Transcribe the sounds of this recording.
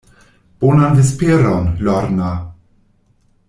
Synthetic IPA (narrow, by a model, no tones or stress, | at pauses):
b̥onand̪espeɾɔnlɔɾna